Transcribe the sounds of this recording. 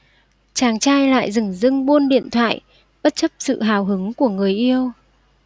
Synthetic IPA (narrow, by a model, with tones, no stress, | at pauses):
t͡ɕaː˨˩ŋt͡ɕaː˧jla̰ː˧˨jzɨ˨˧˩ŋzɨ˧ŋɓo˧nɗḭ˧˨ənt̪ʰwa̰ː˧˨j | ɓə˦˥t̚t͡ɕə˦˥p̚sɨ̰˧˨ɦaː˨˩wɦɨ˨˦ŋku˧˩əŋɨ˨˩əjʔi˧əw